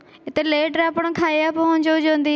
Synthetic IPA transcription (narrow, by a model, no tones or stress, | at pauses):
ɪt̪eːleːʈəɾaːpəɳkʰaːeːaːpə̃ɦʊnd͡ʒod͡ʒãːnd̪iː